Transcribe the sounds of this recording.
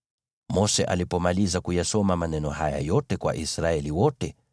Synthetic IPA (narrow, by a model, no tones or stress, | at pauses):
mɔsɛʔalipɔmalizakujasɔmamanɛnɔhaja̰jɔtɛkwa̰ʔisɾaɛliwɔtɛ